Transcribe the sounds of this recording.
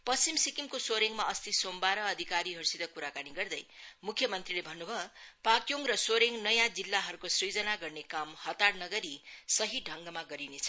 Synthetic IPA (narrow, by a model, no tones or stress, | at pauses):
pʌst͡simsikimkosoɾeŋmaʌst̪isombaɾʌːd̪ʱikaɾiɦʌɾusid̪ʌkuɾakaniɡʌrd̪ʌjmukʰjʌmʌnt̪rilebʱʌnːubʱʌpakjoŋrʌsoɾeŋnʌjãd͡zilːaɦʌɾukosrid͡zʌnaɡʌrnekamhʌt̪arnʌɡʌɾisʌɦiɖʱʌŋɡʌmaɡʌɾinet͡sʰʌ